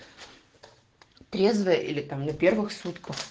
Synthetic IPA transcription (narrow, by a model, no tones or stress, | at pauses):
t̪ɾʲezvəjəʔḭlʲɪt̪amnɐpʲervɨxsut̪kəx